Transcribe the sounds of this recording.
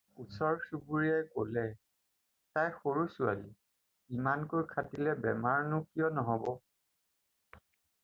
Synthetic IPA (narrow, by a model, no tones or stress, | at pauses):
usɔɹsubuɹiajkolɛ | tajxoɹusua̰li | imankojkʰatilɛbɛmaɹnʊkijɔnɔɦɔbɔ